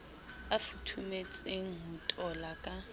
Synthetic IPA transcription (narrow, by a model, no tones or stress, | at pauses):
afutʰumet͡sʼeŋ̩ɦʊtʼɔlakʼa